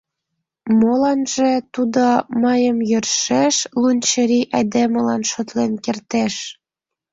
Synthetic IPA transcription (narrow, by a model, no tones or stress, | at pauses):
molɑnʒĕt̪ud̪oməjəmjørʃeʃlunʲt͡ɕəɾiʔɑd̪emə̆lɑnʃot̪lenkert̪eʃ